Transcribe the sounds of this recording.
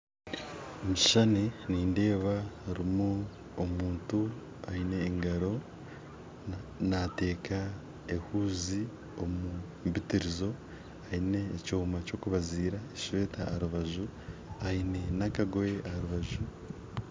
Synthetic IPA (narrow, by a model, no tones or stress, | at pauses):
omiʃaneniːnde̞ːβaɾimu | omuːntu | aine̞ːŋɡaɾo̞ | nate̞ːkʰa | ehuːzi | o̞mu | mbitiɾizo̞ | aine̞ːcoːmaco̞ːkuβaziːɾaeʃweːtaɾuβaʒu | aine̞nakaɡoeʔaɾuβaʒu